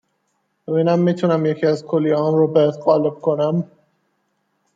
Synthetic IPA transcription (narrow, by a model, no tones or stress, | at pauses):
bevinæmːiːt̪ʰunæmjecʰiæzkʰolːiɒːnɾɔːbet̪ɣɒːleb̚kʰonæm